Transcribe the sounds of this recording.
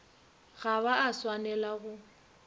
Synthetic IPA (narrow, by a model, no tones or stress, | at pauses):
ɣabaaswanɛlaɣʊ